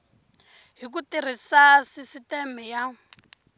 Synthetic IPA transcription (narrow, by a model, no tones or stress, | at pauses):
ɦik̬utir̤isasisitɛmɛja